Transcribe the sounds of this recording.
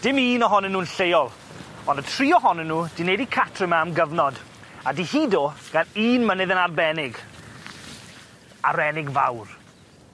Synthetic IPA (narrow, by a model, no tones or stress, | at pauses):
d̥ɪmiːnɔɦɔnənːuːnɬejɔlˠ | ɔnətʰriːɔɦɔnənːuːd̥inedikʰatʰrɪmamɡəvnɔd | adihiːdɔɡ̥aniːnmənɨðənarbɛnɪɡ | aɾɛnɪɡva̰wr